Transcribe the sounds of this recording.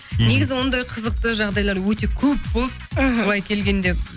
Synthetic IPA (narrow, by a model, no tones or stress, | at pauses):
ne̞ɡʲɪzɪwo̞nd̪ɑjqʰəzəq̚t̪əʒɑʁd̪ɑjlˠɑɾwɵt̪̬e̞kʲʰɵp̚bolˠd̪oɑjkʲʰe̞lɡʲe̞nd̪e̞p